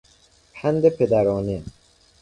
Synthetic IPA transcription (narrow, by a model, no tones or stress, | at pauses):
pʰænd̪epʰed̪æɾɒːne